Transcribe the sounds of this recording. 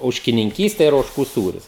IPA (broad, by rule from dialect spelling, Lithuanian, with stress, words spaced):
oːʃʲkʲɪnʲɪŋʲˈkʲiːsʲtʲɛ ɪr oːʃˈkuː ˈsuːrʲʊs